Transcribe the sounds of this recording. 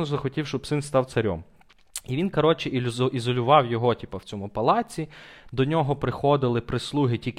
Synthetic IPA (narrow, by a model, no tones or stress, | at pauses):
ɔzɐxɔtʲiwʃt͡ʃɔbsɪnst̪ɑwt̪sɐɾʲɔ̰m | iʋʲinkɐɾɔt͡ʃɪʔʲizɔlʲʊʋɑwjɔɦɔtʲipɐwt͡sʲɔmʊpɐlˠɑt͡sʲid̪ɔnʲɔɦɔpɾɪxɔd̪ɪlˠɪpɾɪslˠuɦɪtʲik